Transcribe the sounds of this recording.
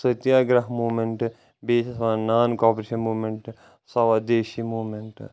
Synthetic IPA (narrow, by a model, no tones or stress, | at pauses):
sɐt̪jaːɡɾɐɦmuːmeɳʈ | beːssʋãːnaːnkɔːpɾeːʃɐnmuːmeɳʈ | sɐʋad̪eːʃimuːmeɳʈ